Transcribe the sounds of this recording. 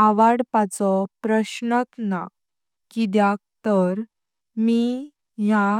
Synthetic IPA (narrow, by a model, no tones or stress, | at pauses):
aʋaɽpat͡sɔpɾəɕnət̪na | kid̪jak̚t̪əɾ | mi | ja